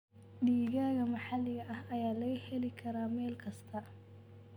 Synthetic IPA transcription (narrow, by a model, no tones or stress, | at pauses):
ɖiːɣaːɣɐmɑħɑlɪɣɐʔɐhɐjaːlɐɣɐhɛlɪkʰɐɾaːmɛːlkʰɐst̪ʰɐ